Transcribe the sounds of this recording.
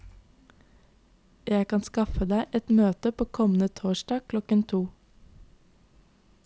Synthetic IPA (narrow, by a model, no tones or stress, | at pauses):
jæɪkɑnskɑfəd̪æɪʔɛt̪møːt̪əpʰoːkʰɔmn̩ət̪ʰoːʃdɑːkʰlɔkənt̪ʰuː